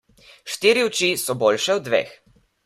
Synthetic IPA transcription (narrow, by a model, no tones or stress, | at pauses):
ʃt̪iːɾiwt͡ʃisɔboːlʃɛwd̪ʋḛːx